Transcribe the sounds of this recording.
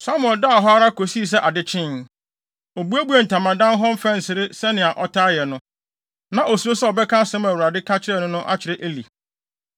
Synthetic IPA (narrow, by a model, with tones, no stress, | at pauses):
sa˦mɛ̃˨lda˦˨ɦɔ˦a˦ɾa˦ko˨si˦˨s̬ɛ˦ʔa˨dɪ˦t͡ɕʰɪ̃˦n | o˨bu˦æ˦bu˦ɛ˨n̩˨tʰã˨mã˨dã˦n˦ɦɔ˦m̩˦fɛ̃˦n̩˨sɪ˨ɾɪ˦sɛ˦nɪ̃˨a˨ʔɔ˦tʰa˦jɛ˨nʊ̃˦ | nã˨ʔo˨su˨ɾo˦sɛ˦ɔ˨bɛ˦kʰã˦sɛ̃˦mæ˨wu˨ɾa˨dɪ˦kʰa˦t͡ɕʰɪ˦ɾɛ˦˨nʊ̃˦nʊ̃˦ʔa̰˦t͡ɕʰɪ˨ɾɛ˦ʔe˦li˨